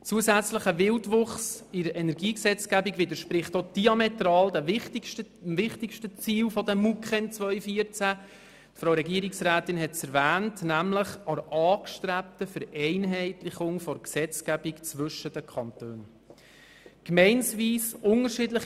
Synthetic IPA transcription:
t͡suəsæt͡sləχəvɪltvʊχsɪɾəʔɛnɛɾɡiːksɛt͡sɡæbikʋɪdəɾʃpɾɪχtod̥iɑmɛtrɑːldɛtʃtəmvɪχtɪkʃtət͡siːlfɔdɛmːukχɛnt͡svœʏfiəɾt͡sæ | tfɾɑʊwɾɛɡiəɾɪksɾæːtɪnhɛtsɛɾvæːntnæmləχɑɾʔɑːkʃtɾæp̚təfəɾɛɪnɦɛɪtlɪχʊŋfɔɾksɛt͡skæbikt͡svɵʃədəkʰɑntøːn | kmɛɪnsviːsʔʊnəɾʃɪdləχ

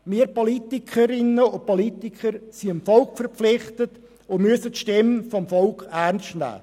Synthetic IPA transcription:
mɪːəɾpɔlitɪkʰəɾɪnəʊn̚pɔlitɪkʰəɾsiəmfɔlkfəɾpp͡flɪχtət | ʊmyəsətʃtɪmfɔmfɔlkærnstnæ̰ː

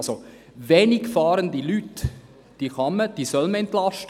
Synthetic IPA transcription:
so | veːnɪkfɑːɾəndilyt | d̥iːχɑməd̥iːsœlməɛntlɑʃtə

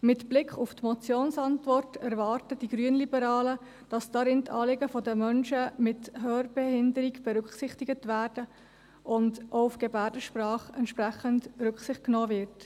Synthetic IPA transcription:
mɪtb̥lɪkʰχuftmɔt͡sjoːnsɑntvɔrtɛɾvɑːrtəd̥iɡɾyənlibəɾɑːlə | d̥ɑsd̥ɑɾɪntʰɑ̰ːlɪɡəfɔdəmœnʃəmɪthøːrb̥ɛhɪndəɾiɡb̥ɛɾʉkχsɪχtɪɡətvæːɾd̥ə | ʔʊndʔoufɡ̥ɛbæːɾdəʃprɑːχɛntʃpræχəntɾʉkχsɪχtknɔːvɪɾt

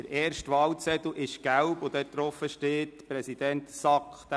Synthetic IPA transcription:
əɾɛːɾʃtʋɑwt͡sɛt̪̩ʔɪʃɡ̥æwpvod̥̪ɛːt̪ɾɔfəʃteːtpɾɛsid̥ɛnt̪sɑkχt̪

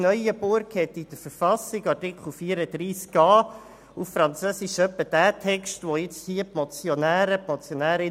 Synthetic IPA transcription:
nœʏəbʊɾkhɛt̪ːid̥əɾfəɾfɑsɪɡɑɹtɪkχl̩fiːəɾəd̥ɾiːskːɑː | uffɾɑnt͡søːsiʃœpːəd̥æːtʰɛkstʋɔɪt͡shiəpmɔt͡sjonæːɾəp̚mɔt͡sjɔnæːɾɪ

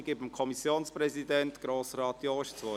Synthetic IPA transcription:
ɡɪbəmkʰɔmisjoːnspɾɛzidɛnt̪ɡ̥ɾoːsɾɑːt̪joːʃt͡sʋɔ

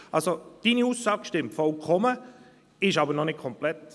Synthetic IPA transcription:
ʔɑlsod̥iːniuːsːɑːɡ̥ʃtɪmtfɔlkʰɔmə | ɪʃɑːbəɾnɔnɪk̚kʰɔmplɛt

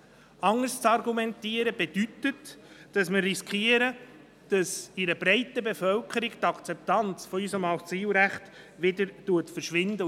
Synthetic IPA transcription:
ɑŋːəst͡sɑrɡumɛntiəɾəbed̥ytətd̥ɑsmərːiskχiəɾə | d̥ɑsiɾəbɾɛɪtəbefœlkʰəɾɪɡt̪ɑkt͡sɛp̚t̪ɑnt͡sfɔysəmɑssiːlɾæχt | ʋɪdəɾtuətfəɾʃʋɪnd̪ə

